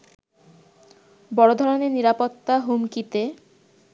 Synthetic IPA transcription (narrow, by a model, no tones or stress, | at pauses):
bɔɽod̪ʱɔɾoneɾniɾapot̪ːaɦumkit̪e